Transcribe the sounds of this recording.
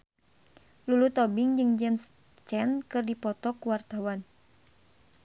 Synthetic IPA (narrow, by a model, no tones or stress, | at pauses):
lulut̪ɔbiŋd͡ʒɨŋd͡ʒɛms | t͡ʃɛnkɨrdipɔt̪ɔkuwart̪awan